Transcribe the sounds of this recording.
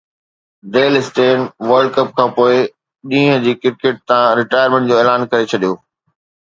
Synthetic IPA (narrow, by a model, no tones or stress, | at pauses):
ɖeːlɪsʈeːnʋɐɾɖkɐp̚kʰãːpoːɪ | ɗĩːɦə̃d͡ʑiːkɪɾkeːʈ̚t̪ãɾɪʈaːɪjəɾmẽɳʈd͡ʑoːeːlaːnkɐɾet͡ɕʰɐɗijoː